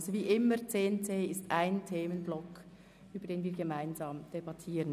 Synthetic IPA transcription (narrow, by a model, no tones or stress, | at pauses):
zoviːʔɪməɾt͡seːnt͡seːɪstʔaɪntʰeːmənblɔk | ʔyːbəɐɾdeːnviːɡemaɪnzɑːmd̥ebɑtʰiːɾən